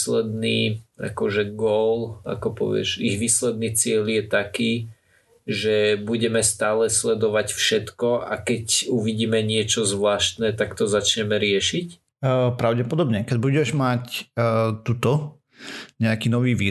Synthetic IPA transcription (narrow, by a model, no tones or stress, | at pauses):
slɛd̪niːa̰kɔʒɛɡɔla̰kɔpɔ̰ʋɪɛ̰ʒiɣʋiːslɛd̪niːt͡sɪɛljɛt̪akiː | ʒɛbuɟɛmɛst̪aːlɛslɛd̪ɔʋacfʃɛt̪kɔa̰kɛcuʋiɟiːmɛɲɪɛt͡ʃɔzʋlaːʃt̪nɛt̪akt̪ɔzat͡ʃɲɛmɛɾɪɛʃic | pɾaʊɟɛpɔd̪ɔbɲɛkɛbuɟɛʒmacː | t̪ut̪ɔ | ɲɛakiːnɔʋiːʋiː